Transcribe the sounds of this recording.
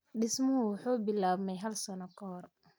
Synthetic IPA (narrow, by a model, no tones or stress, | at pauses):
ɖɪsmʊhʊwħuːbɪlaːbmɛjɦɐlsɐnɔkʰɔhːr